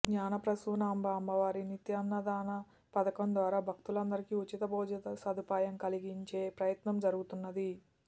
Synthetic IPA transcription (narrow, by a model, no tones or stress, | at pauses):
ɡɲaːnɐpɾɐsuːnaːmbaːmbɐʋaːɾinit̪jɐnːɐd̪aːnɐ | pɐd̪ɐkɐmd̪ʋaːɾaːbʱɐk̚t̪ulɐnd̪ɐɾikiut͡ʃːit̪ɐbɔːd͡ʒɐt̪ɐsɐd̪upaːjɐmkɐliɡiɲt͡ʃe̞ːpɾɐjɐt̪nɐmd͡ʒɐɾuɡut̪unːɐd̪i